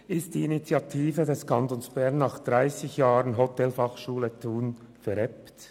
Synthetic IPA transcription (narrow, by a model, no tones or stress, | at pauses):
ɪstd̥iːinit͡sjɑtʰiːfədɛskʰɑntoːnsb̥ɛʁnːɑːχd̥ʁaɪsɪçjaːʁənɦotʰɛlfɑχʃuːlətʰuːn | fɛɾɛpt